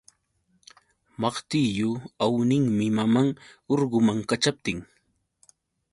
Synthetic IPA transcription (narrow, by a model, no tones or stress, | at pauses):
mɑχt̪ijʊawnɪŋmɪmamaŋoɾɢʊmaŋkat͡ʃap̚t̪ɪŋ